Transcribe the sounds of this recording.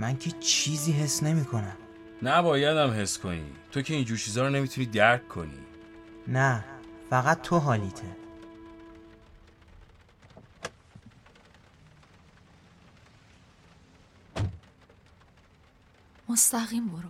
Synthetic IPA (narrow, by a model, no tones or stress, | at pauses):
mæncʰet͡ʃʰiːziːɦe̞sːne̞miːkʰo̞næm | næbɒːjæd̪æmɦe̞skʰonḭːt̪ʰocʰe̞iːnd͡ʒuːɾt͡ʃʰiːzɒːɾɔne̞mit̪ʰuniːd̪æɾkʰːonḭːnæfæɣæt̪ʰːoɦɒːliːt̪ʰe | most̪æɣiːmboɾ